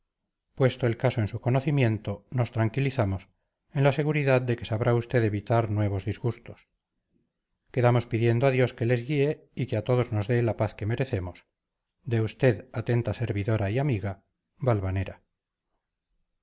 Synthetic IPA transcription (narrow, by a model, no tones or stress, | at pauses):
pwest̪o̞e̞lkaso̞ensuko̞no̞θimjẽ̞nt̪o̞no̞st̪ɾaŋkiliθamo̞s | e̞nlase̞ɣuɾiðaðd̪e̞ke̞saβɾʔaust̪e̞ðe̞βit̪aɾnwe̞β̞o̞zðizɣust̪o̞s | ke̞ðamo̞spiðje̞nd̪oaðjo̞ske̞le̞zɣie̞ | ikeat̪o̞ð̞o̞zno̞zðe̞lapaθke̞me̞ɾe̞θe̞mos | d̪e̞ust̪e̞ðat̪e̞nt̪ase̞ɾβiðo̞ɾaiamiɣa | βalβane̞ɾa